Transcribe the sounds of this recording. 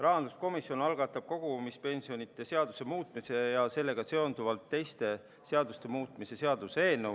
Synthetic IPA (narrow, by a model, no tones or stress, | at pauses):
rɑɦɑnd̪usko̞misjo̞nɑlɡ̥ɑt̪ːˑɑb̥̚ko̞ɡ̥umispe̞nʲsio̞nit̪ːˑe̞se̞ɑd̪use̞muːt̪ˑmise̞jɑse̞lːe̞ɡ̥ɑse̞o̞nd̪uvɑlt̪ːe̞jst̪e̞ | se̞ɑd̪ust̪e̞muːt̪ˑmise̞se̞ɑd̪̥use̞ːnːe